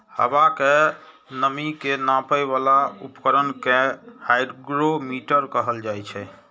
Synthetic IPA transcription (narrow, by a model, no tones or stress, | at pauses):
hə̰bake | nəmikenãpəjβalaupkəɾənkehajɖɡɾomiʈəɾkəɦəld͡ʒajt͡ʃʰɛ